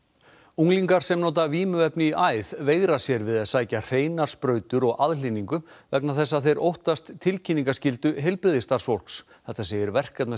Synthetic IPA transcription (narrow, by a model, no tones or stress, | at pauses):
uŋliŋkaɾ̥sɛmnoːt̪aviːmʏɛpnɪiʔaːjðveːɣɾasjɛɾvɪðaðsaːjcar̥eːjnaɾ̥spɾœːɥt̪ʏɾɔɣʔaðliniŋkʏvɛknaθɛsːaðθejɾʔowht̪ast̪ʰːɪlcʰiniŋkascɪlt̪ʏɦɛlpɪðɪst̪aɾsvowl̥ks | θɛht̪ːaseːjɪɾvɛr̥kat̪mɛ